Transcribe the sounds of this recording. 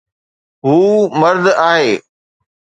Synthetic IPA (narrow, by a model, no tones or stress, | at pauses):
ɦuːmɐɾd̪aːɦeː